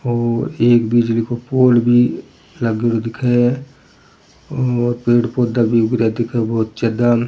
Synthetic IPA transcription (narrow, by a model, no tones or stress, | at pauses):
ɔːɾeːkbid͡ʒlikopoːlbʱi | ləɡɽod̪ɪkʰe | ɔːɾpeːɽpoːd̪abʱiʊɡɾjad̪ɪkʰebɔːt̪t͡ʃəd̪am